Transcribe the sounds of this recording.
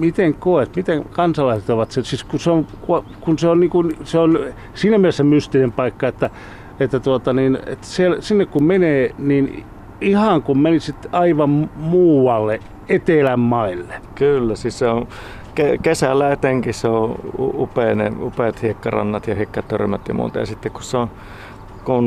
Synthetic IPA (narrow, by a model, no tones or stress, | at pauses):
mit̪eŋkoˑet̪mit̪ekɑnsɑlɑiset̪oʋɑt̪sesiskuseonkukunseonniːŋkunseon | siːnæmielesemyst̪inempɑikːɑet̪ːæ | et̪ːæt̪uot̪ɑniːnḛt̪sielsinːekkummeneːniːn | ihɑŋkummenisit̪ɑiʋɑmmmuːwɑlːe | et̪elæmmɑilːe̥kylːæsisseõ | kekesælːæet̪eŋkisseõṵupeːˑnḛupet̪hiekːɑrɑ̰nːɑt̪jɑhikːɑt̪ørmæt̪jɑ̰mṵːt̪ɑ̰jɑ̰sit̪ːekkusseon | kun